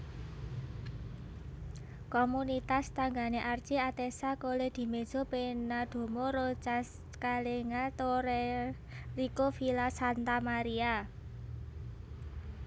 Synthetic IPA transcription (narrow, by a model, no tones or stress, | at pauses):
komunit̪ast̪aŋɡaneʔart͡ʃiat̪esakoled̪̥i̤med̥ʒ̥o̤penad̪̥o̤moɾot͡ʃas | kaleŋat̪oɾe | rikofilasant̪amaɾia